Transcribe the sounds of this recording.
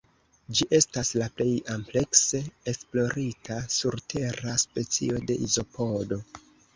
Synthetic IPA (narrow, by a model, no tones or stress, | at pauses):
d͡ʒiʔe̞staslaple̞jample̞kse̞esplo̞ɾitʰasuɾtʰe̞ɾaspe̞t͡sḭo̞de̞̰ʔizo̞pʰo̞do̞